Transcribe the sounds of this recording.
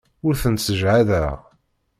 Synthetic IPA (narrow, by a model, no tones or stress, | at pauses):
ʊɾθənsəʒʕaðæʁ